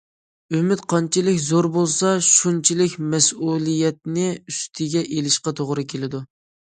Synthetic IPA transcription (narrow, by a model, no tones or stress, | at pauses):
ymɪt̪qʰɑnt͡ʃʰilɪkʲzoɾbolˠsɑʃunt͡ʃʰilɪkʲmɛsulˠijɛt̪̚nɪyst̪ʰɪɡʲɛʔelɪʃqɑt̪ʰoʁɾɨkʲʰelɪd̪u